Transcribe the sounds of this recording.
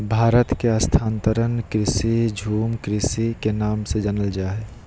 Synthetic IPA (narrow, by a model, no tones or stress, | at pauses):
bʱaːɾət̪keɐst̪ʰaːnt̪əɾənkɾɪsid͡ʒʱuːmkɾɪsikenaːmsed͡ʒənəld͡ʒaːɦe